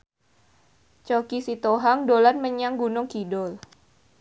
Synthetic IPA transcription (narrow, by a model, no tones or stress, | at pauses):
t͡ʃokisit̪oɦaŋdolanməɲaŋɡunʊŋkidɔl